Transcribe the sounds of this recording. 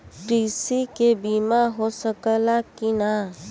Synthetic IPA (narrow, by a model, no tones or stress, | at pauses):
ʈiːsikebiːmaɦosəkəlakina